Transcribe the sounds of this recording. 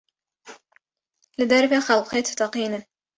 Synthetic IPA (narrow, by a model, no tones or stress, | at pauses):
lɪd̪ɑɾˤbaxɑlqeːt̪t̪ɑqiːna